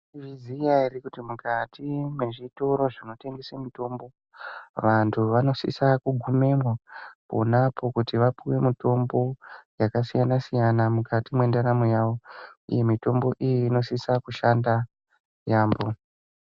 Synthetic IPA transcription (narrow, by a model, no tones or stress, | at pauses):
ʋizijairikutimukatʰimwe̞ʐito̞ɾo̞ʐino̞te̞ŋɡesemito̞ːmbo̞ | ʋantʰuʋano̞sḭsakuɡʱume̞mwapo̰napʰo̞kutiʋapiwe̞mito̞mbo̞jakasijanasijanamukʰatimwe̞ndaɾamojaʋo̞ḭjemito̞mbo̞ʔijiːno̞sisakuʃanda | jaːmbo̞